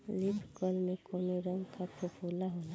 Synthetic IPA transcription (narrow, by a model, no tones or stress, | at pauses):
lɪbɡɔlmẽkoːnoɾə̃ŋɡkapɾopʰuːlaɦoːna